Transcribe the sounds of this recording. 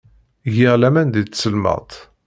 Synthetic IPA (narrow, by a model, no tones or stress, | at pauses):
ʝiʁlæmænd̪it͡ssəlmə̰ʁt̪ˤ